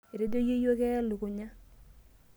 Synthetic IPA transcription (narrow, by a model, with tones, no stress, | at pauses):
e˨ɾe˦do˦jo˦jo˦kɛ˦lu˨kʊ˨ɲa˦